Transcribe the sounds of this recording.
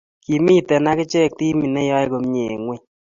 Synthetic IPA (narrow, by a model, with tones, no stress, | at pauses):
ki˨mi˦tɛ˨na˦kɪ˦t͡ʃɛ˦˨k̚ti˦mi˨nɛ˦jɔ˦e˦ko˨m˦ɲe˨ŋwe˦